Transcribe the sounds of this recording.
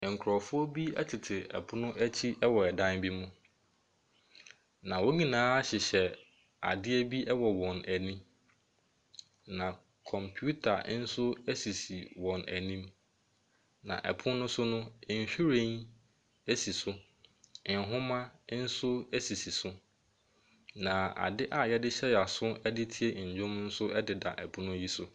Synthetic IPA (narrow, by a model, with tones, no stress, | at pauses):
ŋ̩˨kʰɾɔ˨fʊ˦ɔ˦bi˦æ̰˦tʰɪ˨tʰɪ˨ɛ̰˨pʰʊ˦nʊ̃˦ʔæ˦t͡ɕʰi˦ʔɛ˦wɔ˨ɛ˨dã˦nbi˦mʊ̃˦ | nã˨wo˦ɲĩ˦˨nãː˦a˦ɕɪ˨ɕɛ˨ | a̰˨dɪ˦ɛ˦bi˦ʔɛ˦wɔ˨wɔ̃˨næ˨nĩ˦ | nã˨ | kʰɔ̃˨mpʰju˦tʰa̰˨˦n̩˦sʊ˦æ˦si˨si˨wɔ̃˨næ˨nĩ˦m | nã̰˨ʔɛ˨pʰʊ̃˦nʊ̃˦sʊ˦nʊ̃˦˨n̩˨ɕᶣi˦ɾẽ˦n | æ˦si˨sʊ˦ | ɪ˨n˨ɦʊ̃˦mã˦n̩˦sʊ˦ɛ˦si˨si˨sʊ˦ | nã˨a̰˨dɪ˦ʔa˨jɛ˦dɪ˦ɕɛ˦ja˨sʊ˦ɛ˦dɪ˦tʰi˦e˦˨ɲ̩˨d͡ʑᶣʊ̃˦mn̩˦sʊ˦ɛ˦dɪ˨da̰˨ʔɛ˨pʰʊ̃˦nʊ̃˦ji˦sʊ˦